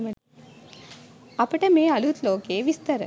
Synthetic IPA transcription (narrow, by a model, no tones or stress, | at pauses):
mɐ | ɐpɐʈɐmeːɐlut̪loːkeːʋist̪ɐɾɐ̰